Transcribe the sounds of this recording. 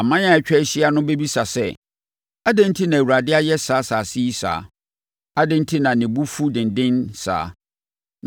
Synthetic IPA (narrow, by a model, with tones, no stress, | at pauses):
a˨mã˦ɲ˦ã˦ɛ˨t͡ɕᶣɛ˦ɕi˦a˦nʊ̃˦be˦bi˦sa˨sɛ˦ | a˦dɪ̃˦n̩˦tʰi˦nã˨wu˨ɾa˨dɪ˦a˦jɛ˦saː˨˦saː˨si˦i˦sa̰ː˨˦ | a˦dɪ̃˦n̩˦tʰi˦nã˨nɪ̃˨bu˦fu˦dɪ̃˨n˨dɪ̃˦nsa̰ː˨˦